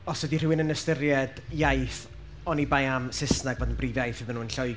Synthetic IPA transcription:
ɔswɛdir̥ɪwɪnənəstɪrjɛdjajθ | ɔnibajamsɪsnaɡvoːdənbriːvjajθɨðənuːənɬɔj

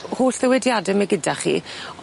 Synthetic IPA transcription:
hoːɬðɛwɛdjadɛmɛɡɪdaχḭ

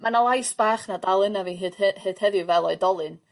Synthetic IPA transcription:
manalˠajsb̥aːχnadalˠɨnaviːɦɨd̥hɨːd̥hɛðɪvɛlˠɔɨdɔlˠɨn

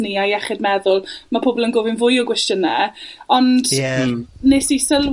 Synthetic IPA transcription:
niajɛχɪdmɛðʊlˠmapʰoːbɔlˠənɡoːvɪnvʊjɔɡwɛstjənːɛɔndɛneːsisəl

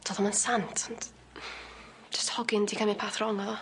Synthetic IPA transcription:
tʰɔːðɔmansantʰɔn | d͡ʒəsthɔɡɪndikʰamɪpʰaːθrɔŋɔðɔ

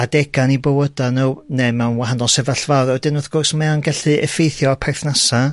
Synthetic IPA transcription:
adɛɡanibowədanunemɛwnwaɦanɔlˠsɛvaɬvawrɔdɨnʊðɡ̥ʊrsmɛwnɡɛɬɨɛfejθjɔpʰɛrθnasa

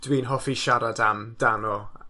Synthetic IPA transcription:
d̥wiːnɦɔfiʃaɾadamd̥anɔ

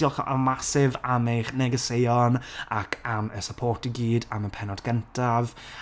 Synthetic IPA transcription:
ɔlˠχə̰masɪvamejχnɛɡəsejɔnakʰaməsəpʰoːrtiɡiːdaməpʰɛnɔdɡəntʰav

